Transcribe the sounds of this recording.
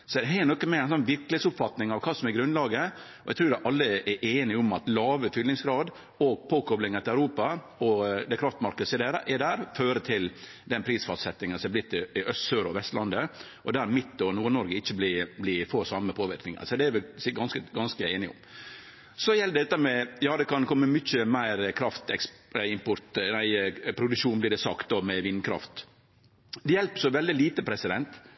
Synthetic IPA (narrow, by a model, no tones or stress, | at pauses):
sɔɛdɦɛɪnɔkːənmɛæɪnsɔnʋɪɾkəlhet̪sʊpfɑt̪nɪŋɑʋkʰɑːsɔmɛɾɡɾʉnlɑːɡə | ɔʔɛ̰t̪ʰɾʉːɾd̪ɛʔɑlːəʔɛʔeːnɪʊmɑt̪lɑːʋəfʏlnɪŋsɡɾɑːd̪ | oːɡ̚pʰoːkʰɔblɪŋəɾt̪ɪlæʉɾuːpɑ | ɔd̪ɛkʰɾɑft̪mɑɾkəsɪd̪ɛɾʔɛd̪æːɾføːɾət̪ʰɪl | d̪ɛnpʰɾiːsfɑst̪sɛt̪ːɪŋənsɔmɛb̪ɪt̪ːɪɪœst̪søːɾɔʋɛst̪lʔɑnd̪ə | ʔɔd̪æːɾmɪt̪ːɔnuːnɔɾɡəɪçːəblɪblɪfoːsɑmːəpʰoːʋɪɾknɪŋə̰sɔd̪ɛɛɾʋɪlsɪɡɑnskəɡɑnskəeɪnɪʊ̰m | sɔjɛld̪ɛt̪ːəɾmɛjɑːd̪ɛkʰɑnkʰɔmːəmʏc͡çəmæɪɾkʰɾɑft̪ɛksɪmpɔɾt̪næɪpʰɾʊd̪ʉʂuːnblɪɖɛsɑkt̪̚d̪ɔːmɛʋɪnkʰɾɑ̰ft̪ | d̪ɛjɛlpə̥sɔʋɛld̪ɪliːt̪əpʰɾɛsɪd̪ɛnt̪